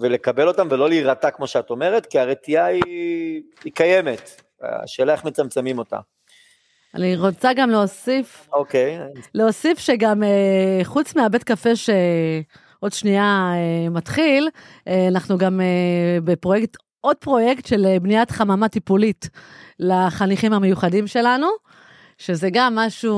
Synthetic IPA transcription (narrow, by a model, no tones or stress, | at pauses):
vele̞kabe̞lo̞tamvelo̞liːʁatakmo̞ʃeato̞me̞ʁetkiaʁetiaiː | kaje̞met | a̰ʃe̞ːlae̞χme̞t͡samt͡semimo̞ta̰ | a̰niʁot͡saɡamleosifokejleo̞sifʃeɡameχut͡smiabe̞tkafe̞ʃe | ʔo̞dʃniaemat̪χilanaχnuɡamebe̞pʁojekt | ʔo̞d̚pʁo̞je̞ktʃe̞lebniatχamamatipulitlaχaniχimhame̞juχadimʃe̞lanu | ʃe̞zeɡamːaʃu